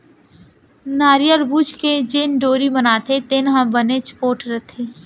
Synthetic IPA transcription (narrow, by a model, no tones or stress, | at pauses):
naːɾijəɾbuːd͡ʒked͡ʒeːnɖoːɾibənaːt̪ʰet̪enɦãbənet͡ʃpoːʈɾət̪ʰeː